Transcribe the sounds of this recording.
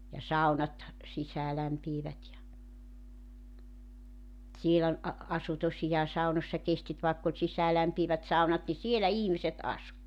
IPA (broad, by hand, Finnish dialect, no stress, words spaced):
jɑ sɑu̞nɑt sisæːlæmpiːʋæt jɑ siel ol ɑ ɑsu tosijɑː sɑunosʲsɑ kestit ʋɑˑekː olʲ sisæːlæmpiːʋæt sɑunɑt ni sielæ ihmiset ɑsu